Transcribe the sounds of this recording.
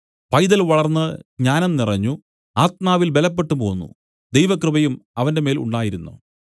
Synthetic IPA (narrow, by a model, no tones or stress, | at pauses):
pɐjd̪ɐlʋɐɭɐrnːɨɲaːnɐmnirɐɲːu | aːt̪̚maːʋilbe̞lɐpːe̞ʈːupo̞ːnːṵ | d̪ejʋɐkrɨbɐjumɐʋɐnde̞me̞ːlṵɳɖaːjiɾunːṵ